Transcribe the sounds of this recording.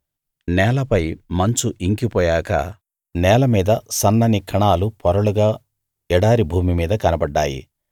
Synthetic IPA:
nɛːlɐpɐjmɐɲt͡ʃuʔiŋkipɔːjaːkɐ̰ | nɛːlɐmiːd̪ɐsɐnːɐnikʰɐɳaːlupɔɾɐɭuɡaː | ɛɽaːɾibʱuːmimiːd̪ɐkɐnɐbɐɖːa̰ːjḭ

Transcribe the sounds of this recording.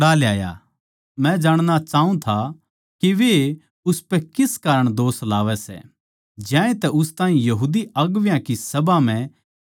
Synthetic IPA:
ɽaːljaːja̰ | mɛ̃d͡ʒaːɽ̃nat͡ʃaːũt̪ʰa | kiʋe | ʊspɛkɪskaːɾəɽ̃d̪oːslaːʋɛsɛ̰ | d͡ʒjãːẽt̪ɛʊst̪aːĩjɐɦuːd̪iɐɡʋjãkisɐbam̤ɛ̃

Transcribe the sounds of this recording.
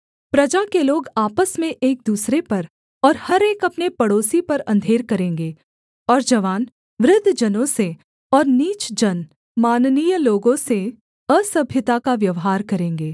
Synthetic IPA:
pɾɐd͡ʒakeloːɡaːpəsmẽʔeːk̚d̪uːsɾepɐɾ | ɔːɾhɐɾeːkɐpnepɐɽoːsipɐɾɐ̰̃nd̪ʱeːɾkɐɾẽːŋɡeː | ɔːɾd͡ʒɐʋaːn | ʋɾɪd̪ʱːd͡ʒɐnõse | ɔːɾniːt͡ʃd͡ʒɐn | maːnnijloːɡõse | əsɐbʱjət̪akaʋjɐʋɦaːɾkɐɾẽːŋɡeː

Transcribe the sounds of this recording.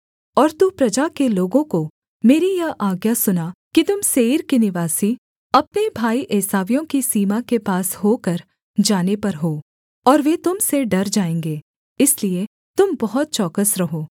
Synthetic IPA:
ɔːɾt̪upɾɐd͡ʒakeloːɡõko | meːɾijɐaːɡjasʊnakit̪ʊmseːɾkinɪʋaːsi | ɐpnebʱaːiʔeːsaːʋijõkisiːmakepaːsɦoːkəɾ | d͡ʒaːnepɐɾɦoː | ɔːɾʋet̪ʊmseɖɐɾd͡ʒaːẽːŋɡeː | ɪslie | t̪ʊmbɐɦʊt̪̚t͡ʃɔːkəsɾɐɦoː

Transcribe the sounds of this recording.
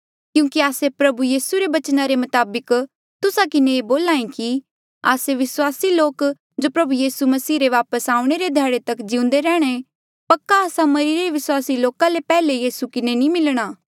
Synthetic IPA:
kjũːkiaːsepɾɐbujiːsuɾeʋɐt͡ʃnaɾemɐt̪aːbək | t̪ʊsakɪneːboːlaːĩki | a̰ːseʋɪswaːsiloːk | d͡ʒoːpɾɐbujiːsumɐsiːɾeʋaːpəsaːũɽ̃eɾed̪ʱjɛːɽet̪ɐkd͡ʒɪʊ̃nd̪eɾɛːɽ̃e | pɐkːaːsãmɐɾiɾeʋɪswaːsiloːkãlepɛːlejiːsukɪnenĩmɪlɽ̃aː

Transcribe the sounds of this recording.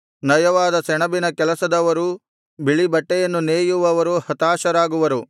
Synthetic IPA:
nɐjɐʋaːd̪ɐsɛɳɐbinɐkɛlɐsɐd̪ɐʋɐɾu | biɭibɐʈːɛjɐnːuneːjuʋɐʋɐɾuhɐt̪aːʃɐɾaːɡuʋɐɾu

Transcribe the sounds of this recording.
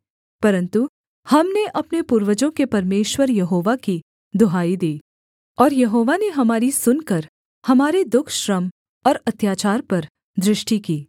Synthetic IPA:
pɐɾə̃nt̪u | hɐmneʔɐpnepuːɾʋəd͡ʒõkepɐɾmeːʃwəɾjɐɦoːʋaki | d̪ʊɦaːid̪iː | ɔːɾjɐɦoːʋaneɦɐmaːɾisʊnkɐɾ | hɐmaːɾed̪ʊkʰʃɾəm | ɔːɾɐt̪jaːt͡ʃaːɾpɐɾ | d̪ɾɪʃʈikiː

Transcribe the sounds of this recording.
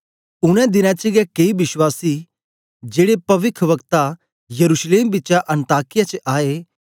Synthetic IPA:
ʊɽ̃ɛ̃d̪ɪnãt͡ʃɪɡɛkeibɪʃwaːsi | d͡ʒeːɽepɐʋɪkʰɾʋɐkt̪a | jɐɾuʃleːmbɪtːt͡ʃaʔɐ̃nt̪aːkɪjat͡ʃʔaːe

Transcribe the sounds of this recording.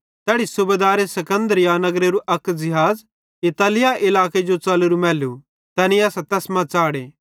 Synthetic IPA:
t̪ɛːɽisʊbeːd̪aːɾesɐkə̃nd̪əɾɪjanɐɡɾeɾuʔɐkd͡ʒɪɦaːz | ɪt̪aːlɪjaʔɪlaːked͡ʒot͡sɐːleɾumɛːlu | t̪ɐːniɐːsat̪ɐsmãt͡saːɽeː

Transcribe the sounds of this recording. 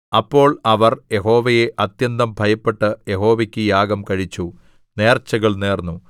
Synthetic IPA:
ɐpːo̞ːɭɐʋɐrje̞ɦo̞ːʋɐje̞ʔɐt̪jɐnd̪ɐmbʱɐjɐpːe̞ʈːɨje̞ɦo̞ːʋɐkʲːɨjaːɡɐmkɐɻit͡ɕːu | ne̞ːrt͡ɕːɐɣɐɭneːrnːu

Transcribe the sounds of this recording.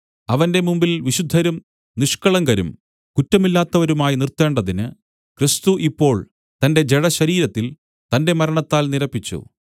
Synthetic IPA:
ɐʋɐnde̞mumbilʋiɕud̪ʱːɐɾum | niʂkɐɭɐŋɡɐɾṵm | kutːɐmilːaːt̪ːɐʋɐɾumaːjinirt̪ːe̞ːɳɖɐðinɨ | krist̪uʔipːo̞ːɭ | t̪ɐnde̞d͡ʑe̞ɽɐɕɐɾiːɾɐt̪ːil | t̪ɐnde̞mɐɾɐɳɐt̪ːaːlniɾɐpːit͡ɕːṵ

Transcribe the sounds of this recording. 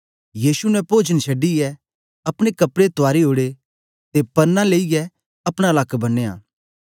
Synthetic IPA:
jiːsunɛ̃poːd͡ʒənsʰɐɖːijɛ | ɐpɽ̃ekɐpɽet̪ʊaːɾiɦoːɽe | t̪epɐɾnãleːiɡɛ | ɐpɽ̃alaːkbɐneja̰ː

